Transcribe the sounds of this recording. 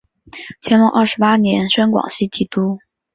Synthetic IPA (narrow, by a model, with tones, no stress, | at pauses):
t͡ɕʰjɛ˧˥nlʊ˧˥ʔɐ˥˩ʂɻ̩˧˥pa˥njɛ˧˥nʂə˥nkwɑ̰˨˩ŋɕi˥˩t̪ʰi˧˥˩t̪u˥